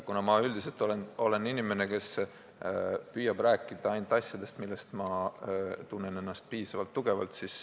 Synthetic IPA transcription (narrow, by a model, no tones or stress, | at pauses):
kunɑmɑyld̪̥ise̞lt̪ːˑo̞leno̞le̞ninime̞ne̞ke̞s | pyːjɑbræːkˑːid̪̥ɑɑjnt̪ːˑɑsʲjɑd̪̥e̞st̪milːe̞st̪mɑ | t̪unːe̞ne̞nːɑst̪̚piːsɑvɑlt̪ːuɡ̥e̞vɑ̰lt̪sis